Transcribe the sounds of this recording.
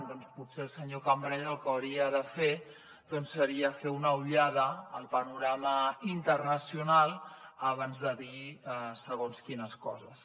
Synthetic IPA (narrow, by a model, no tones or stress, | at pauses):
d̪ɔnsputseəlˠsəɲokəmbɾɛʎəlˠkəwɾiəðəfe | ð̥ɔnsːəɾiəfeunəuʎaðəːlˠpənuɾaməint̪ərnəsiunalˠəβanzðəðisəɣonskinəskɔ̰zəs